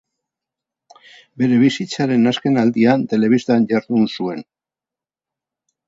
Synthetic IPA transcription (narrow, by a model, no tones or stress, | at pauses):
be̞ɾe̞β̞isit͡saɾe̞naske̞nald̪iant̪e̞le̞β̞ist̪anʎaɾðunsue̞n